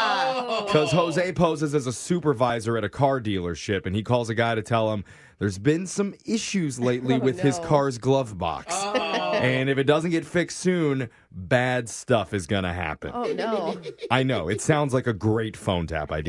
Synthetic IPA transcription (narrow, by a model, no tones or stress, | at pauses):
kʰʌz̥ɦoʊzeɪpʰoʊzɨzɨzəsʉpə˞vaɪzə˞ɨɾɨkʰɑɹdilˠə̰˞ʃɪpɨ̃nikʰɔlˠzɨɡaɪɾɨtʰɛlˠə̃m | ðə˞zbɪ̃nsʌ̃mɪʃʉzleɪtˡliwɪð̥ɪz̥kʰɑɹzɡlʌvbɑ̰ksɨ̃nɨfɨt̚d̥ʌzɨ̃n̩ɡ̥ɛtfɪkssʉ̃n | bædstʌfɨzɡʌñɨ̰ɦæ̰pɨ̰̃n | aɪnoʊɨtsãʊ̃ndzlaɪkɨɡɹeɪtfõʊ̃ntʰæ̰pa̰ɪd